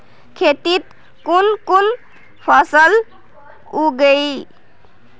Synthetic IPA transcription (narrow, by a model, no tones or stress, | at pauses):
kʰet̪it̪ | kunkun | pʰəsəl | uɡəi